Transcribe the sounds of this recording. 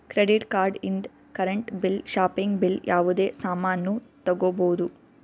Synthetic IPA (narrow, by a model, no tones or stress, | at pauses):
kɾeɖiʈkaːɾɖind̪ | kɐɾeɳʈbilʃaːpiŋɡbiljʔaːʋud̪e̞ːsaːmaːnːut̪ɐɡɔboːd̪u